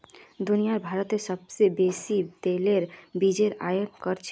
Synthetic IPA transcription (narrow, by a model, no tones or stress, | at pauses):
d̪unijaɾbʱaɾət̪mesəbsebesit̪eleɾbid͡ʒeɾa̰jənkəɾt͡ʃʰ